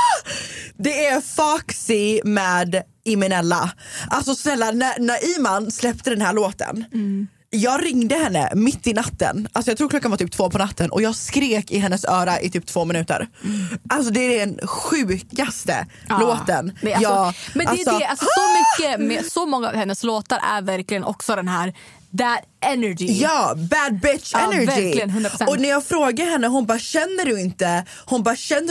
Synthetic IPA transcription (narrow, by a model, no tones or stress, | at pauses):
d̪ɛæɾfɑːksɪmɛːd̪ | ɪmɪnɛlːaʔalsɔsnɛlːanːænæɾʔiːmanslɛpt̪əd̪ɛnhæːɭoːt̪ə̰n | jɑːɡɾɪŋd̪əhɛnːə̰mɪt̪ːɪnat̪ːə̰nalsɔjɑɡt̪ʰɾuːkʰlɔkːanvaɾt̪yːp̚t̪voːpʰɔnat̪ːənʔɔ̰jɑːɡskɾeːkɪɦɛnːəsœːɾaʔɪt̪ʰyːp̚t̪ʰvoːmɪnʉ̟ːt̪ə̰ɾʔals̬ɔd̪ɛæɖɛnɧʉ̟ːkast̪ə̰ | loːt̪ənjɑːmɛnalɛsɔɛasmʏkːəmɛsɔmɔŋːa̰hɛnːəsloːt̪aɾæ̰ɾvæɾklɪɡənʔɔ̰ksɔd̪ɛnɦæːɾ | bæd̪ | ɛnɛd͡ʒɪjɑːbæd̪̚bɪtt͡ʃɛnɛɪlɪnɵnɾɔnæɾjɑːɡfɾoːɡahɛnːəɦʊnbɑːɕɛnːəɖjɵɪnt̪ə | hʊnbɑːɾɕɛnːə